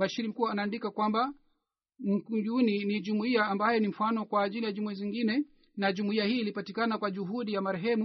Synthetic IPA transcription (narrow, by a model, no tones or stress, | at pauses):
baʃiɾim̩kuwaanaːndikakwamba | m̩d͡ʒuninid͡ʒumuiaːmbajɛnim̩fanɔkwaːʄilijad͡ʒumuiziŋɡinɛ | nad͡ʒumuiahiːlipatikanakwad͡ʒuɦuɗijamaɾɛɦɛmu